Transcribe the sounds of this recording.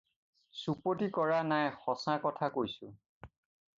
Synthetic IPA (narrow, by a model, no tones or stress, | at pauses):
supotikɔɹanajxɔsãkɔtʰakojsʊ